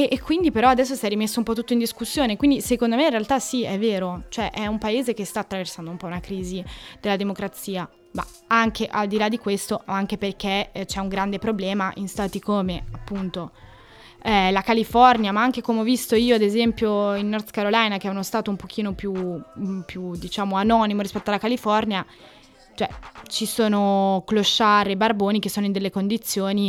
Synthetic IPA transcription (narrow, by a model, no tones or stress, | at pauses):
eʔːkːwind̪ipeɾɔad̪ɛsːosɛrimesːoumpɔt̪̬ːut̪ːoind̪iskusːjoːnekwind̪isekond̪omeinrealt̪asiɛvːeːɾot͡ʃoɛʔɛumpaeːzek̟est̪aːt̪ːɾaversand̪oumpɔunakɾiːzid̪̥elad̪emokɾat̪siːa | ma̰ | aŋkʰeʔald̪ilad̪ikwest̪oaŋkeperk̟et͡ʃɛuŋɡɾand̪epɾoblɛːmaʔinst̪aːt̪ikoːmeapːunt̪o | lakalifɔrnjamaaŋk̟ekomeɔvːist̪oiːoad̪ezɛmpjoinːɔrd̪kaɾolajnak̟ɛunost̪aːt̪oumpok̟ʰiːnopjupjud̪it͡ʃaːmoanɔnimoɾispɛt̪oalakalifɔrnja | t͡ʃoɛ̰t͡ʃisoːnokloʃːaɾebarboːnik̟esːoːnoind̪elːekond̪it̪sːjoːni